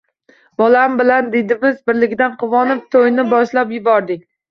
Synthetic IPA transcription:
bɒlambɪland̪ed̪ɪmɪzbɪɾlɪkʲd̪anqʰʊvɒnɪp̚t̪ʰojnɪbɒʃlapjʊbɒɾd̪ɪkʲ

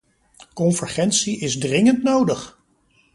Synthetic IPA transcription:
kɔnvəɹχɛntsiɪzdrɪŋəntnowdəχ

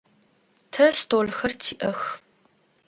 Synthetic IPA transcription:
tʰɐstʰoːlxɐrtʰiːʔɐx

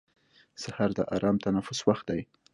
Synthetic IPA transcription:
sahaɾd̪əʔɑ̰ɾɑmt̪anafʊswaxt̪̚d̪aj

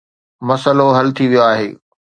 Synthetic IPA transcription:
mɐsəloɦɐlt̪ʰiʋijoaːɦeː

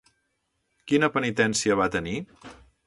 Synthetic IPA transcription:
kinəpənit̪ɛnsiəβ̞at̪əni

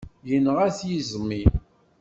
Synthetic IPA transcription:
jənːʁæθjizmːi

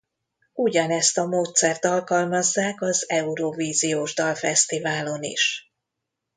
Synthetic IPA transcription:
uɟɒnɛst̪ɒmoːt̪sɛrt̪ɒlkɒlmɒzːaːkɒzɛuɾoviːzijoːʒd̪ɒlfɛst̪ivaːlo̞nḭʃ

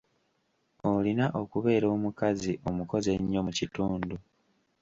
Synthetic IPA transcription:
olinaʔo̞kuβe̞ːɾo̞ːmukaziʔo̞muko̞ze̞ɲːo̞mucituːndu

